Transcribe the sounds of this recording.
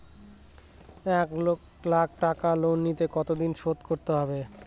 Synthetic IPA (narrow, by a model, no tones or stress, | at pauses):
ɛko | lak̚ʰʈakalonːit̪ekɔt̪od̪inʃod̪koɾt̪eɦɔbe